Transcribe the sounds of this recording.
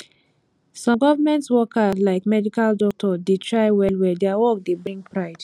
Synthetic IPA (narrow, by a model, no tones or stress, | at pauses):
sɔ̃mɡɔvamɛ̃ntswɔkalaɪkmɛdikaldɔk̚tʰɔdetʰɹaɪwɛlwɛdeawɔk̚debɹĩŋɡpɹaɪd̥